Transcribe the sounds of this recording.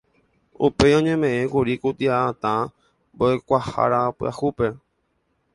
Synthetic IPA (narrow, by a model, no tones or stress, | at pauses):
ṵpe̞jõ̞ɲẽ̞mẽ̞ẽkuɾikut̪iaːt̪ã | mboekʷaha̰ɾapɨa̰hupe